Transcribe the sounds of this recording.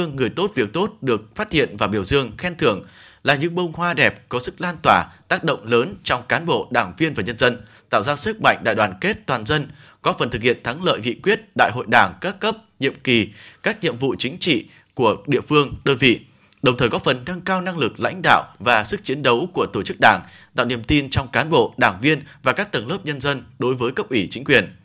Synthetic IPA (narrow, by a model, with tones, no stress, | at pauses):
əŋːɨ˨˩əjt̪o˦˥t̚vi˨˩ək̚t̪o˦˥t̚ɗɨ˨˩ək̚faː˦˥t̚hḭ˧˨ənvaː˨˩ɓi˧˩əwzɨ˧əŋxɛ˧nt̪ʰɨ˧˩əŋ | laː˨˩ɲɨ̰˧˥ŋɓə˧wŋ͡mhwaː˧ɗɛ˨˩p̚kɔ˨˦sɨ˦˥k̚laː˧nt̪waː˧˩t̪aː˦˥k̚ɗə̰˧˨wŋ͡mləː˨˦nt͡ɕɔ˧wŋ͡mkaː˨˦nɓo̰˧˨ɗaː˧˩ŋvi˧ənvaː˨˩ɲə˧nzə˧nt̪a̰ː˧˨wzaː˧sɨ˦˥k̚ma̰˧˨jŋ̟ɗa̰ː˧˨jwaː˨˩nke˦˥t̚t̪waː˨˩nzə˧n | kɔ˨˦fə˨˩nt̪ɨ˨˩k̚hi˧˨ənt̪ʰa˨˦ŋlə̰ː˧˨jŋḭ˧˨kwi˦˥ət̚ɗa̰ː˧˨jɦo̰˧˨jɗaː˧˩ŋkaː˦˥kə˦˥p̚ɲḭ˧˨əmki˨˩kaː˦˥k̚ɲḭ˧˨əmvṵ˧˨t͡ɕï˨˦ŋ̟t͡ɕḭ˧˨ | ku˧˩əɗḭ˧˨əfɨ˧əŋɗəː˧nvḭ˧˨ | ɗə˨˩wŋ͡mt̪ʰəː˨˩jkɔ˨˦fə˨˩nːə˧nkaː˧wna˧ŋlɨ˨˩k̚la̰˧˥jŋ̟ɗa̰ː˧˨wvaː˨˩sɨ˦˥k̚t͡ɕi˨˦ənɗə˨˦wku˧˩ət̪o˧˩t͡ɕɨ˦˥k̚ɗaː˧˩ŋ | t̪a̰ː˧˨wnḭ˧˩əmt̪i˧nt͡ɕɔ˧wŋ͡mkaː˨˦nɓo̰˧˨ɗaː˧˩ŋvi˧ənvaː˨˩kaː˦˥k̚t̪ə˨˩nləː˦˥p̚ɲə˧nzə˧nɗo˨˦jvəː˨˦jkə˦˥p̚ʔi˧˩t͡ɕï˨˦ŋ̟kwi˨˩ən